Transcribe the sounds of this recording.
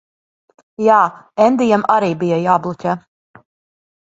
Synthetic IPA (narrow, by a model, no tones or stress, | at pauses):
jaːɛnd̪ijamaɾiːbijajaːblˠucʲɛ